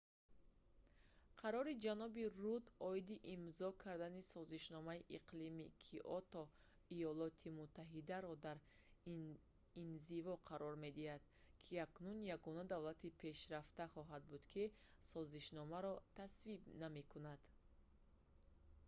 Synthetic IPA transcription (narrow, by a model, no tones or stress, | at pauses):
qʰaɾɔɾid͡ʒanɔbirud̪ɔid̪iʔimzɔkʰaɾd̪anisɔziʃnɔmaiʔiqlimikʰiʔɔt̪ɔ | ijɔlɔt̪ʰimut̪ʰːaɦid̪aɾɔd̪aɾ | inzivɔqʰaɾɔɾme̞d̪ihad̪̥ | kʰiaknunjaɡɔnad̪avlat̪ʰipʰe̞ʃɾaft̪aχɔɦad̪̚bud̪kʰisɔziʃnɔmaɾɔt̪ʰasvibname̞kʰunad̪̥